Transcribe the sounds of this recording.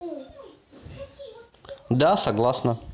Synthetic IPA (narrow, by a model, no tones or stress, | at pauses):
d̪asɐɡlˠasnɐ